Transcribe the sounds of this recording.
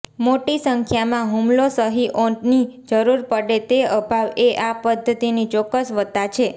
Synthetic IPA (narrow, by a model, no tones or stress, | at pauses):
moʈisəŋkʰjamãɦumlosəɦiʔoɳʈnid͡ʒəɾuɾpəɽet̪eəbʱaʋeʔapəd̪ʱːət̪init͡ʃɔkːəsʋət̪ːat͡ʃʰe